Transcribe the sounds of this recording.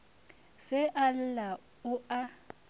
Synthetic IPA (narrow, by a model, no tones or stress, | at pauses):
sɛʔal̩la | ʊa